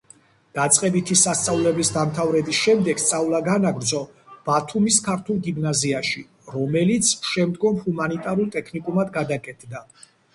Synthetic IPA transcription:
d̪̥at̪sʼqʼɛbit̪ʰisast̪sʼavlɛbisd̪amt̪ʰavɾɛbisʃɛmd̪ɛɡ̥st̪sʼavlˠaɡanaɡɾd̪zɔ | b̥at̪ʰumiskʰaɾt̪ʰulˠɡimnaziaʃi | ɾɔmɛlit̪sʰʃɛmd̪ɡɔmhumanit̪ʼaɾulˠt̪ʼɛkʰnikʼumad̪ɡad̪akʼɛt̪ʰd̪a

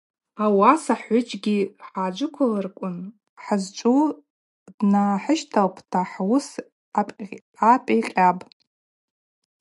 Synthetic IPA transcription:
awasaħʷʊt͡ʃʼɡʲiħaːd͡ʒʷʊkʷʰalarkʷʼʊn | ħazt͡ʃʷʼu | dnaħəʃtʰawpʰtʰaħwʊs | apʼ | apʼajqʲʼabʼ

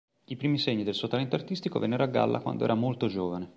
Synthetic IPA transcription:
ipɾiːmiseɲːid̪elsuːot̪alɛnt̪oart̪ist̪iko̰vḛnːɛɾoaɡːa̰lːa̰kwa̰nd̪oɛ̰ɾamolt̪od͡ʒoːvane

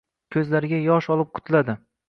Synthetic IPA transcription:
kʲʰɵzlaɾɪɡʲajɒʃɒlˠɪp̚qʰʊ̥t̪ʰlad̪ɪ

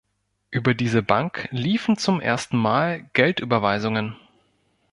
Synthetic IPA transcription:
ʔyːbɐdiːzəbaŋkliːfn̩t͡sʊmʔḛːɐstn̩maːlɡ̥ɛltʔyːbɐvaɪzʊŋən

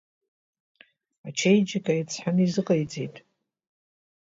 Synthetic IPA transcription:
at͡ʃʰejd͡ʒkʼajit͡sʰħanizɨqʼajd͡zejtʼ

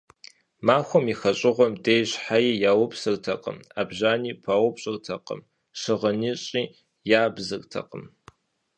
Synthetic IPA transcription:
maːxʷɔmiːxɐɕʼɪʁʷɔmdejɕħajiːjaːwʊpsɨktʰɐqʼə̰ma̰ːbʒaːniːpʰaːwɔpɕʼɐkʼtʰɐqə̰m | ʃɨʁɐniɕʼiː | jaːbzɨkʼtʰɐ̰qəm

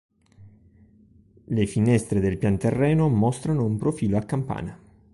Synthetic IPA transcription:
lefinɛst̪ɾed̪elpjant̪erːɛːnomɔst̪ɾanoumpɾofiːloakːampa̰ːna

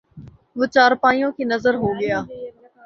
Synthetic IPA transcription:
ʋʊt͡ʃaːɾpaːĩjõːkʰiːnəzəɾɦoːɡɪjaː

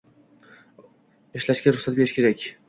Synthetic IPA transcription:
eʃlaʃɡʲaɾʊχsat̪̚beɪʃkʲe̞ɾakʲ

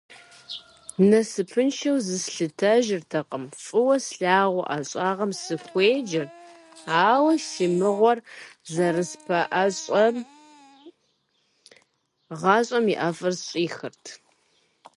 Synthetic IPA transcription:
nɐsɨpʰɨnʃɐwzɨsɬɨtʰɐʒɪrtʰɐqʼəmfʼɨwɐsɬaːʁʷʊ̰ʔɐɕʼɑːʁɐmsɨxʷeːd͡ʒɐr | aːwɐʃɪmɨʁʷɔrzɐrɨspʰɐʔɐɕʼɐ | ʁɑːɕʼɐmiʔɐfʼɐrɕʼiːxɨrtʰ

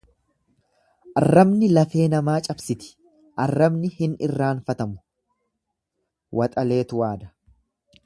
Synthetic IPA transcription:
ʔɐrːɐbnɪlɐfe̞ːnɐmaːt͡ʃʼɐbsɪt̪ɪ̥ | ʔɐrːɐbnɪhɪnɪrːaːnfɐt̪ɐmʊ̥ | wʔɐt̪ʼɐle̞ːt̪ʊwaːd̪ɐ̥

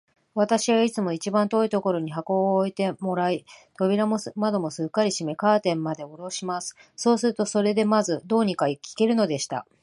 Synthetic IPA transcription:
βat̪aɕiβait͡sɨmo̞it͡ɕibãnt̪o̞ːit̪o̞ko̞ɾo̞ɲ̟iɦako̞ːit̪e̞mo̞ɾait̪o̞bʲiɾamomad̪o̞mo̞sɨkːaɾʲiɕime̞kaːt̪ẽ̞mːad̪e̞o̞ɾo̞ɕimasɨ̥so̞ːsɨɾɯ̟t̪o̞so̞ɾe̞d̪e̞mazɨd̪o̞ːɲ̟ikaikʲi̥ke̞ɾɯ̟no̞d̪e̞ɕi̥t̪a̰

